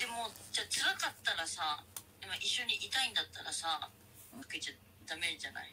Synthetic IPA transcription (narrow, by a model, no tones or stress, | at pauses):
d̪̥e̞mo̞d͡ʑaːt͡sɨβakat̪ːaɾasad̪emaʔiɕːo̞ɲ̟iʔit̪aĩnd̪at̪ːaɾasa | kḁket͡ɕa | d̪̥ame̞ʑana̰i